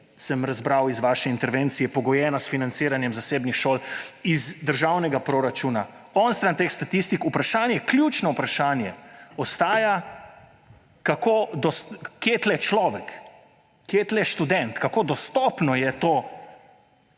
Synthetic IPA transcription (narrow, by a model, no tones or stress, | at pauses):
səmɾazbɾawizʋaːʃɛint̪ɛɾʋent̪sijɛpɔɡɔjɛːnasfinant̪siːɾanjɛmzaseːbnixʃoːlizd̪əɾʒawnɛɡapɾoɾat͡ʃuːna | ɔnst̪ɾant̪eːxst̪at̪ist̪ikupɾaʃaːnjɛklʲjut͡ʃnɔupɾaʃaːnjɛɔst̪aːja | kakod̪ɔsːet̪lɛt͡ʃlɔʋɛkː | et̪lɛʃt̪ud̪ɛnt̪kakoːd̪ɔst̪ɔpnɔjɛt̪o